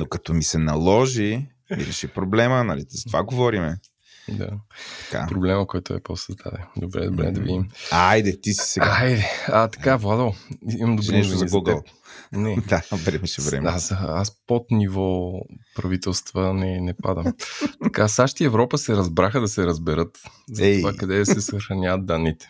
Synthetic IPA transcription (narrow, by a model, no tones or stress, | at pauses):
nokɐt̪ɔmisɛnɐlˠɔʒi | miɾɛʃipɾoblɛmənɐlit̪izɐ̥t̪ovaɡovɔɾimɛ | d̪a̰t̪ɐ̥ka̰pɾoblɛməkɔjt̪ʊɛ̰posɐzd̪a̰d̪ɛd̪obɾɛ̰d̪obɾɛ̰d̪ɐvḭimajd̪ɛt̪isi̥sɛaajd̪ɛɐt̪ɐ̥kavlˠad̪oiimmd̪oʒɾɛnɛʃt̪ozɐolˠɡlˠ | nɛd̪avɾɛmɛʃɛvɾɛ̰mazɐaspot̪nivɔpɾɐvit̪ɛlˠst̪vənɛnɛpad̪əmt̪ɐkasaʃt̪iɛvɾɔpəsɛɾɐzbɾaxəd̪ɐsɛɾɐzbɛɾɤt̪zɛvakɐd̪ɛd̪ɐsɛsxxɾɐnʲavət̪̚d̪anːit̪ɛ̥